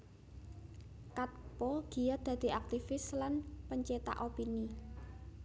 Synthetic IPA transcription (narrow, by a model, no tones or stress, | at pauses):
kat̪̚pɔɡ̥i̤jad̪̥ä̤d̪̥i̤ak̚t̪ifɪslanpəɲt͡ʃet̪a̰ʔopini